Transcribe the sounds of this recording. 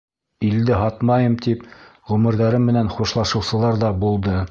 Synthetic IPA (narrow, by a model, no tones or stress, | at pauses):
ild̪ɘɦɑt̪mɑjɤmt̪ipʁɵmɘ̆ɾðæɾɘmːɘ̆nænχuʃlˠɑʃɤ̆wsɤ̆lˠɑɾðɑbulˠd̪ɤ